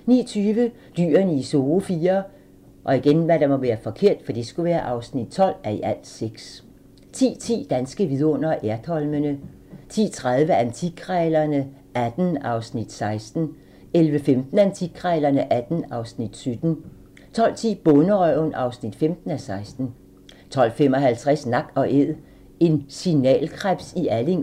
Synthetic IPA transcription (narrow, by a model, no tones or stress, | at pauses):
nḭːɐt͡sʰyːʋə | d̥y̰ːɐnəiso̝ːfiːɐ | ʔɒ̽iɡ̥enʋæɾ̥ɑ̈mɒ̽ʋæːɐfɒ̽kʰe̝ɐ̰d̥fɒd̥isɡ̥uʋæːɐʔɑ̈ʊsnid̥̚t͡sʰɒ̽l̰æɐiʔæl̰̥seɡ̥s | t͡sʰḭːt͡sʰḭːd̥ænsɡ̥əʋiðˠɔ̽n̰ɐʔæɐd̥ʰhɒ̽lmənə | t͡sʰḭːt͡sʰʁaðˠʋəʔænt͡sʰikʰʁɛːlɐnə | ʔæd̥n̩ɑ̈ʊsnid̥sɑ̈ɪsd̥n̩ | elʋəfemd̥n̩ænt͡sʰikʰʁɛlɐnəʔæd̥n̩ɑ̈ʊsnid̥syd̥n̩ | t͡sʰɒ̽l̰t͡sʰḭːb̥ɔnəʁœʊnʔɑ̈ʊsnid̥femd̥n̩æsɑ̈ɪsd̥n̩ | t͡sʰɒ̽l̰fem̰ɒ̽ɦælt͡sʰʁɛsnɑ̈ɡ̥ɒ̽ʔeð̰ˠ | e̝nsinɛ̰ːlkʰʁab̥siʔæleŋ